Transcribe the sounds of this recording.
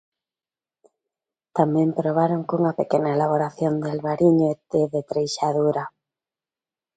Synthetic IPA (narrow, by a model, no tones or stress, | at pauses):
t̪amɛ̃mpɾoβ̞aɾoŋkuŋapekenaelaβ̞oɾaθjond̪elβaɾiɲoet̪eðet̪ɾejʃaðuɾa